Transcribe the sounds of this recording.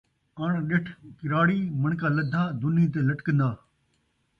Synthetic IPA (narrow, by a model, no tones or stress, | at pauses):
aːɳ̃ɗɪʈʰkɪɾaːɽiːmɐɳkaːləd̪ʱaːd̪ʊnĩːt̪̬eːlɐʈkə̃nd̪aː